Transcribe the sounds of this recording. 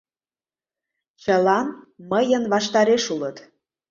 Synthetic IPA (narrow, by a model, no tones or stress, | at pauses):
t͡ɕəlɑnməjənβɑʃt̪ɑɾeʃulət̪